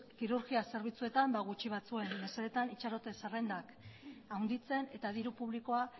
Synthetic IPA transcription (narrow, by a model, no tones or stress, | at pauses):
kiɾuɾɣiase̞ɾβ̞it͡sue̞t̪ambaɣut͡ʃiβ̞at͡sue̞nːeseɾet̪anit͡ʃaɾo̞t̪e̞sarend̪ak | awnd̪it͡se̞ne̞t̪að̞iɾupuβ̞liko̞a